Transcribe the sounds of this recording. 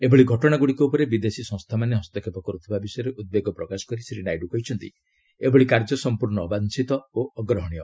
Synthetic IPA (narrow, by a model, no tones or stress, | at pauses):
ebɔɭiɡʱɔʈɔɽ̃aɡuɽikɔupɔɾebid̪esisɔ̃ŋst̪ʰamaneɦɔst̪ɔkʰepɔkɔɾut̪ʰibabisɔjɔɾeʔud̪̚beɡɔpɾɔkasɔ̥kɔɾisɾinajɖukɔɦjt͡ʃʰɔnt̪ḭ | ebɔɭikaɾd͡ʒɔsɔmpuɾɳɔːbansit̪ɔoɔɡɾɔɦɔɽ̃ijɔ